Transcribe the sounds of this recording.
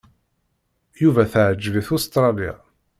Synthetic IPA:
juvæθʕəd͡ʒːviθʊst̪ɾˤɑlia̰

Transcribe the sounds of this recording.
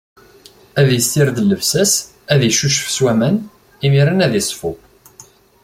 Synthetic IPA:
æðjəst̪ɪɾd̪əlːəfsæs | æðjəʃuʃə̥fswæmæn | imiɾænæðisˤfu

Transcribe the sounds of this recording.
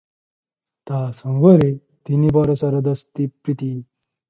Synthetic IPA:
t̪aːsʌ̃ŋɡʌɾi | t̪inibɔɾɐsɐɾɐd̪ʌst̪ipɾit̪i

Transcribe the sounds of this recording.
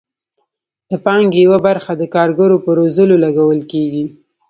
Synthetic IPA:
d̪̥əpɑŋɡejawabaɾxad̪əkɑɾɡaɾopəɾozəlolaɡawəlkeɡi

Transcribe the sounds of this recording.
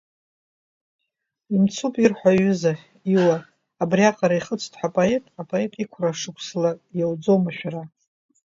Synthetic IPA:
imt͡sʰupʼirħʷaɥʏza | iwaː | briaqʼaɾaiχət͡sʷʰʼtʰʼħʷapʼoetʼapʼoe̞tʼikʷʰraʂɨkʷʰslajawd͡zo̞maʃᶣaɾa

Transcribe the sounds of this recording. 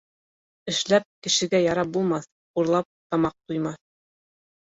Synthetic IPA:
ɘ̆ʃlæp̚kɘ̆ʃɘ̆ɡæjɑɾɑp̚bulˠmɑθ | uɾlˠɑp̚t̪ɑmɑq̚t̪ujmɑθ

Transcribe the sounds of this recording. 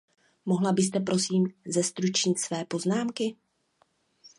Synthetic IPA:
mo̞ɦlabɪs̬t̪ɛpɾʔo̞siːmzɛst̪ɾut͡ʃɲɪt̪svɛːpo̞znaːmkɪ

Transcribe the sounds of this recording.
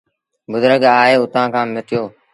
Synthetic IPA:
bʊd̪ɾəɡaːɦeːʊt̪ãːkʰãːmɪt̪ɪjoː

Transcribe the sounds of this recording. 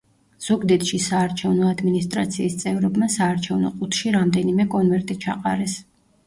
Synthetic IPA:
z̥uɡd̪ɛt̪ʃisaːɾt͡ʃʰɛvnɔad̪minist̪ʼɾat̪sʰiːst̪sʼɛvɾɔbmasaːɾt͡ʃʰɛvnɔ̰qʼut̪ʰʃiɾamd̪ɛnimɛkʼɔnvɛɾt̪ʼit͡ʃʰa̰qʼa̰ɾɛs

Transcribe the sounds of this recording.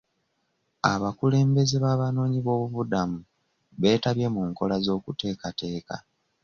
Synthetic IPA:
a̰βakule̞ːmbe̞zeβaːβano̞ːɲiβo̞ːβuβudamu | βe̞ːtaβje̞muŋko̞lazo̞ːkute̞ːkate̞ːka̰

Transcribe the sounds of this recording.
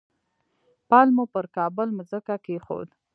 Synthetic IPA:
pɑlmupəɾkɑbəlməzəkakexo̰d̪

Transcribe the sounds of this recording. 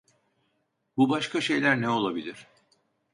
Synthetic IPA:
bubaʃkaʃe̞jlʲæɾnɛo̞lˠabilʲiɾ̥

